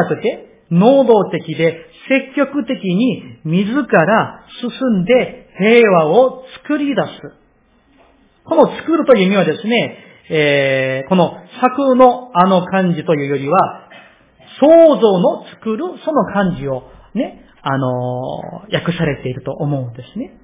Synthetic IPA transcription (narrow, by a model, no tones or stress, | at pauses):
akɯ̟t̪e̞ | no̞ːd̪o̞ːt̪e̞kʲid̪e̞se̞kʲːo̞kɯ̟t̪e̞kʲiɲ̟imʲizɨkaɾasɨsɨ̃nd̪e̞he̞ːβaot͡sɨ̥kɯ̟ɾʲid̪asɨ | ko̞no̞t͡sɨ̥kɯ̟ɾɯ̟t̪o̞jɯ̟mʲiβad̪e̞sɨne̞ | eko̞no̞sakɯ̟no̞ano̞kãɲ̟d͡ʑit̪o̞jɯ̟ːjo̞ɾʲiβa | so̞ːzo̞ːno̞t͡sɨ̥kɯ̟ɾɯ̟so̞no̞kʰãɲ̟d͡ʑio̞ | ne̞ | ano̞ | jakɯ̟saɾe̞t̪e̞iɾɯ̟t̪o̞ʔːmo̞ɯ̟̃nd̪e̞sɨne̞